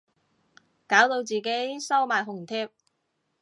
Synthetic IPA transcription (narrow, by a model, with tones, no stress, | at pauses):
kaː˨˥wt̪o˧wt͡siː˨ke˨˥jsɐ˥wmaː˨jɦʊ˨˩ŋt̪ʰɛː˥p̚